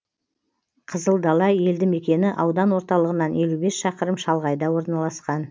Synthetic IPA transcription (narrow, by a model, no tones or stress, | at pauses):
qʰəzəlˠd̪ɑlˠɑje̞ld̪ɪme̞kʲe̞nɪʔɑwd̪ɑnwo̞ɾt̪ɑlˠəʁənɑnje̞lube̞sʃɑqəɾəmʃɑlˠʁɑjd̪ɑwo̞ɾnɑlˠɑsqɑn